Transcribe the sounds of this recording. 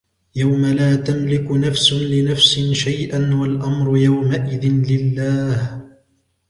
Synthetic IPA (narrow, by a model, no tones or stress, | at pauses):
jawmalaːt̪amlɪkʊnafsʊlɪnafsɪnʃajʔanwalʔamɾʊjawmaʔɪðɪnlɪlːaːh